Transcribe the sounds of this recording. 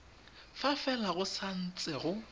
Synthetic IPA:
fafɛlaɣʊsan̩t͡sʼɛɣʊ

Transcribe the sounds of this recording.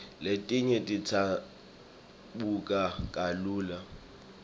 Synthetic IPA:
letʼɪɲɛtʼit͡sʰa | ɓukʼakʼaluːla

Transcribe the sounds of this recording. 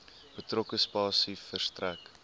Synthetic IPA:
b̥ətrɔkəspɑːsifərstræk

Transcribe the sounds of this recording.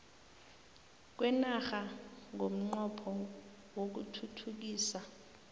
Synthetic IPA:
k̬wɛnaxaŋʱom̩ŋ͡ǃɔpʰɔ | wok̬utʰutʰuk̬iːsa

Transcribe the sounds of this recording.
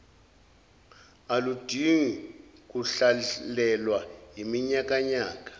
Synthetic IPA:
alud̥ʱiŋik̬uɬalɛlwajimiɲak̬ʼaɲaːk̬ʼḁ

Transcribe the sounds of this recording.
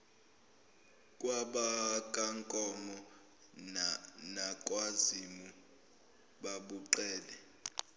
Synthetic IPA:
kʼwaɓakʼaŋkʼɔmɔ | nakʼwazimu | ɓaɓuǃɛːlɛ

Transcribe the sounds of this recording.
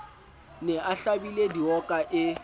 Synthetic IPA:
nɛʔaɬabilediɔkʼaʔɪ

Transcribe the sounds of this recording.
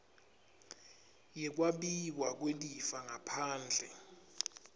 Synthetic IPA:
jɛk̬waɓiwak̬welifaŋapʰaːnd͡ɮʱɛ

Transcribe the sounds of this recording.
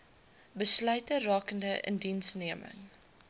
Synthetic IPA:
bəslœɥtərɑːkəndəʔə̰ndinsniəmə̰ŋ

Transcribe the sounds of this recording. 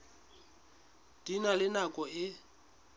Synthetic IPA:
d̥inalɪnakʼɔɪ

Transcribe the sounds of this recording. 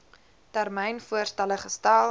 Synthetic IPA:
tærmɛjnfuərstɛləχəstaːl

